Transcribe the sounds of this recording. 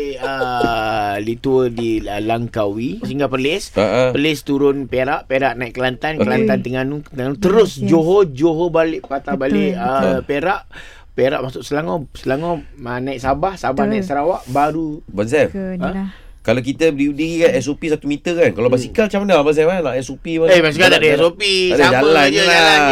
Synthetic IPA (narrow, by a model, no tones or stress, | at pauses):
ə | dit̪uwədilaŋkawisəɦiŋɡapəlɪsəəlɪst̪uɾʊnpeɾaʔpeɾaʔnaiʔkəlant̪ankəlannt̪ant̪əŋanut̪əŋanũt̪əɾʊsd͡ʒoɦod͡ʒoɦobalɪʔpat̪abaleʔəpeɾaʔ | peɾa̰ʔmasʊʔsəlaŋosəlaŋoənaiʔsabahsabahnãiʔsəɾawaʔbaɾubans̬ɛfə | kalak̬it̪ədidiɣikanɛsopisat̪umit̪əkankalabasikalat͡ʃamənabans̬ɛmanaʔɛsopibaebas̬ikanadəɛsopiadaad͡ʒaəlaaa